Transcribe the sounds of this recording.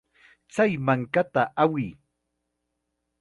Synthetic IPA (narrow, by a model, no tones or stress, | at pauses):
t͡sajmaŋkat̪aʔawɪj